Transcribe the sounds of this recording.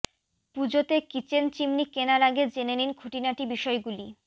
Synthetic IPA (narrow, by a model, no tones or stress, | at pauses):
pud͡ʑot̪ekit͡ɕent͡ɕimnikenalaɡed͡ʑeneninɡʰʱoʈinaʈibiʃɔeɡuli